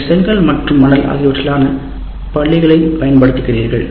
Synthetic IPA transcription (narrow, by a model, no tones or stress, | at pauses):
sɐŋɡɐɭmɐʈrɯmːɐnɐlɐ̰ɣɪʋɐʈːɐlaːnɐ | pɐɭːɪɣɐɭɐjmpɐjɐnpɐɽɯt̪ːɯkːɪriːɾɣɐ̰ɭ